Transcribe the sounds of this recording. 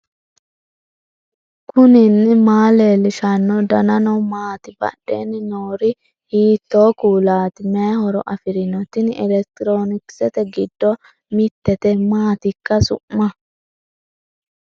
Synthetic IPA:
kʊnɪnːɪmaːleːlɪʃɐnːɔd̪ɐnɐnɔmaːt̪ɪbɐ̰ɗːḛːnɪnoːɾɪ | hiːt̪ːo̞ːkuːlaːt̪ɪmɛɐhɔɾɔ̰ʔɐfɪɾɪnɔt̪ːɪnɛlɛkt̪ɪɾo̞ːnɪksɛt̪ɛɡɪd̪ːɔ | mɪt̪ːɛt̪ɛmaːt̪ɪkːɐsʊ̰mːɐ

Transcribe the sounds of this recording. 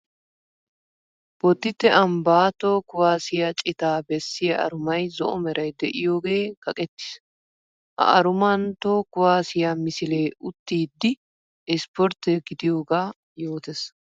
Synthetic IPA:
b̥ɔt̪ːɪt̪ːɛʔɐmbaːt̪oːkʊwaːsɪjɐt͡ʃʼɪt̪aːbɛsːɪjɐʔɐ̰ɾʊmɐjzɔ̰ʔɔmɛɾɐjd̪ɛʔɪjo̞ːɡe̞ːkɐkʼɛt̪ːɪ̥s | ʔɐ̰ʔɐɾʊmɐnt̪oːkʊwaːsɪjamɪsɪleːʔʊt̪ːiːd̪ːɪ | ɪspɔɾt̪ɛɡɪd̪ɪjo̞ːɡaː | jo̞ːt̪ɛs

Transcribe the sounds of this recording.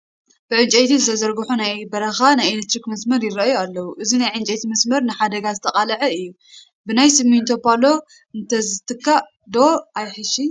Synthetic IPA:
b̥ɨʕɨnt͡ʃʼet̪ʰizɨt̪ʰɐzɐɾɡɨħunajbɐɾɐxanajelek̚t̪ɾikmɐsmɐɾjɪɾɐʔjualːɐwuʔɨzinajʕɨnt͡ʃʼet̪ʰimɐsmɐɾnɨħad̪ɐɡazɨt̪ʰɐqʼalɐʕɐɨjːu | bɨnajsɨmint̪ʰo̞palo̞ | ɨnt̪ʰɐzɨt̪ʰɨkːa | d̪oajħɨʃi

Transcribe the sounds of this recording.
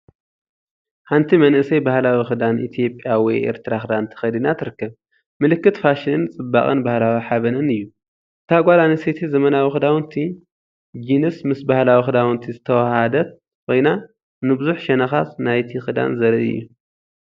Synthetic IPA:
ħant̪ʰimɐnʔɨsɐjbahlawixɨd̪anʔit̪ʰijo̞pʼjawɔjʔḛɾt̪ʰɨɾaxɨd̪ant̪ʰɨ̥xɐd̪inat̪ʰɨɾɨkːɐβ | mɨlɨkːɨt̪faʃinɨnt͡sʼɨbːakʼɨ̰nbahlawiħaβɐnɨnɨjːu | t̪ʰaɡʷalaniset̪ʰizɐmɐnawixɨd̪awnt̪ʰi | d͡ʒinɨsmɨsbahlawixɨd̪awɨnt̪ʰizɨt̪ʰɐwahad̪ɐt̪ | kʰʷo̞jna | nɨbɨzuħʃɐnɐxasnajt̪ʰixɨd̪a̰nzɐɾɨɨ̰jːu

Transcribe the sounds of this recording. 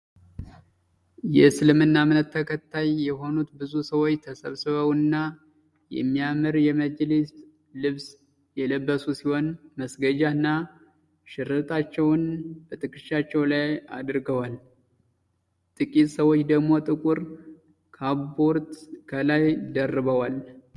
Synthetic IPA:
jɛsɨlɨmɨnːamɨnət̪ʰːəkʰət̪ʰːajːɛɦo̞nut̪bɨzusəwot͡ʃːt̪ʰəsəβsɨβəwɨnːa | jɛ̰mːijamɨɾjɛməd͡ʒlist̪ | lɨβs | jɛləbːəsusiho̞nməsɡəd͡ʒaɨnːa | ʃɪɾɨt̪ʰʼat͡ʃːɛwnb̥ət̪ʰʼɨkʼɨʃːat͡ʃːɛwlaja̰d̪ɾɡəwal | t̪ʼɨkʼit̪ʼsəwot͡ʃːd̪əɡmo̞t̪ʼɨkʼuɾ | kʰabo̞ɾt̪kʰəlajd̪ərːɨβəwal

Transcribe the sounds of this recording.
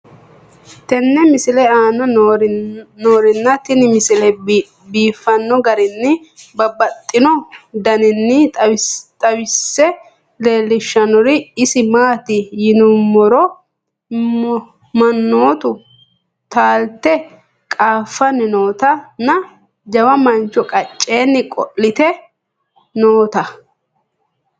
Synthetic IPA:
t̪ɛnːɛmɪsɪlɛaːnɐ | noːɾɪnːɐt̪ɪnɪmɪsɪlɛ | biːfːɐnːɔɡɐɾɪnːɪbɐbɐt̪ʼːɪnɔd̪ɐnɪnːɪ | t̪ʼɐwɪsːɛ | le̞ːlːɪʃːɐnɔɾɪɪsɪmaːt̪ɪjɪnʊmɔɾɔ | mɐnːo̞ːt̪ʊ | t̪aːlt̪ɛ | kʼaːfːɐnːɪno̞ːt̪ɐnːɐ | d͡ʒɐwɐmɐnt͡ʃːɔkʼɐt͡ʃʼːe̞ːnːɪkʼɔ̰lːɪt̪ɛ | noːt̪ɐ

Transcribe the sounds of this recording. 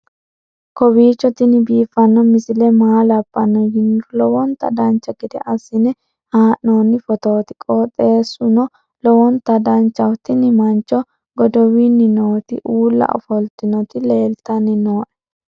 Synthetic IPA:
kɔbiːt͡ʃːɔt̪ɪnɪbiːfɐnːɔmɪsɪlɛmaːlɐbʼːɐnːɔjɪnːlɔwɔnt̪ɐ̰d̪ɐnt͡ʃːɐɡɪd̪ɛʔɐsɪnɪ | haːʔnoːnːɪfɔt̪oːt̪ɪ̥kʼɔt̪ʼe̞ːsʊnɔ | lɔwɔnt̪ɐd̪ɐnt͡ʃːɐwt̪ɪnɪmɐnt͡ʃːɔ | ɡɔd̪ɔwinːɪnoːt̪ɪʔuːlːɐ̰ʔɔ̰fɔlt̪ɪnɔt̪ɪle̞ːlt̪ɐnːɪnoːʔɛ̥

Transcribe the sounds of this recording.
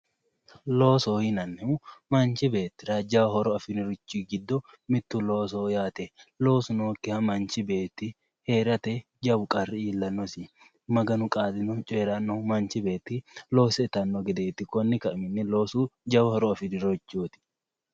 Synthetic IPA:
lo̞ːsoːhɪnɐnːɛʊmɐnt͡ʃɪbeːt̪ːɪɾad͡ʒɐwhɔɾɔɐfɪnɪɾʊt͡ʃːɪɡɪd̪ːɔ | mɪt̪ːʊloːsoːjaːt̪ɛlo̞ːsʊnoːkːɪhɐmɐnt͡ʃɪbe̞ːt̪ːɪ | heːɾɐt̪ɛ | d͡ʒɐbʊkʼɐrːɪiːlːɐnːɔsɪ | mɐɡɐnʊkʼaːd̪ɪnɔt͡ʃʼeːɾɐnːɔmɐnt͡ʃɪbe̞ːt̪ːɪlo̞ːsɛɪt̪ɐnːɔɡɛd̪eːt̪ːɪkɔnːɪkɐʔmɪnːɪlo̞ːsuːd͡ʒɐwɐhɔɾɔɐfɪnɪɾot͡ʃːuːt̪ɪ̥

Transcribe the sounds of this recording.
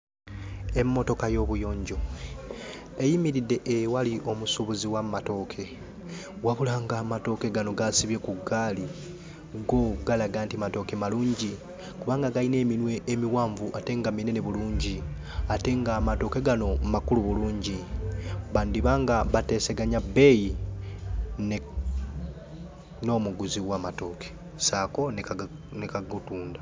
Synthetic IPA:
e̞mːo̞to̞kajo̞ːβujo̞ːɲɟo̞ | e̞jimiɾidːe̞ʔewaliʔo̞musuβuziwammato̞kʰe̞ | waβulaŋɡaːmato̞keɡano̞ɡasiβje̞kuɡːaːli | ɡoɡalaɡaːntimato̞ːke̞maluːɲɟi | kuβaːŋɡaɡaine̞ːminwe̞ʔːmiwaːɱvuʔate̞ŋɡamineneβuluːɲɟi | ate̞ŋɡaːmato̞ke̞ɡano̞makuluβuluːɲɟi | βaːndiβaːŋɡaβate̞se̞ɡaɲabe̞ji | n | no̞ːmuɡuziwaːmato̞ːke̥ | saːko̞ne | nekaɡutuːnda

